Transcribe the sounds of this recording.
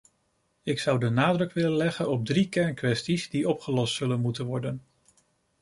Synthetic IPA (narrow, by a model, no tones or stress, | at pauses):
ɪksʌwdənaːdrɵkʋɪlənlɛχənɔb̚drikɛɹnkʋɛstizdiɔpχəlɔstsɵlənmutənʋɔɹdən